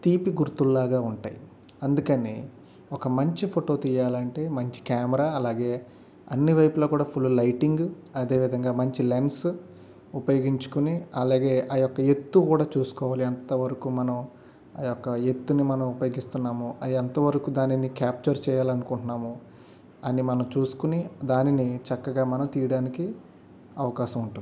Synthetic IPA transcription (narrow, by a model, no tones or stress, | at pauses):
t̪iːpiɡuɾt̪ulːaːɡaːuɳʈa̰ːji | ɐnd̪ukɐneː | ɔkɐmɐɲt͡ʃipʰoʈo̞ːt̪ijaːlɐɳʈe̞ːmɐɲt͡ʃi̥kaːmɐɾaːɐlaːɡe̞ː | ɐ̰nːiʋɐjpuloːkuːɽaːpʰulːulɐjʈiŋɡ | ɐd̪e̞ːʋid̪ʱɐŋɡaːmɐɲt͡ʃileɳs | upɐjo̞ːɡiɲt͡ʃu̥kuniɐlaːɡe̞ːʔɐjɔkːɐje̞t̪ːukuːɽaːt͡ʃuːsu̥kɔːʋaːliɐnt̪ɐʋɐɾɐkumɐnɐm | ɐjɔkːɐet̪ːunimɐnɐmupɐjo̞ːɡist̪unːaːmuɐɐnt̪ɐʋɐɾɐkud̪aːninikaːp̚t͡ʃɐɾt͡ʃɛːjaːlɐnukuɳʈunaːmu | ɐnimɐnɐmt͡ʃuːsu̥kunid̪aːninit͡ʃɐkːɐɡaːmɐnɐmt̪iːjɐɽaːniki | ɐʋɐkaːʃɐmuɳʈuni